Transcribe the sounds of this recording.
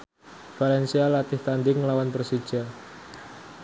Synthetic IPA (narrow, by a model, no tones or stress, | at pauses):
falɛnsialat̪ɪht̪and̪ɪŋlawanpəɾsid̥ʒ̥a